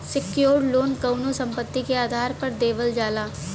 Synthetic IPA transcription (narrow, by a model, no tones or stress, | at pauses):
sɪkjoːɽloːnkɐːnõsɐ̃mpət̪ːikeaːd̪ʱaːɾpɐɾd̪eːʋəld͡ʒaːlaː